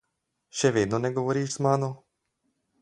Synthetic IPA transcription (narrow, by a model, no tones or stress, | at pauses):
ʃɛʋeːd̪nɔnɛɡɔʋɔɾiːʒzmaːno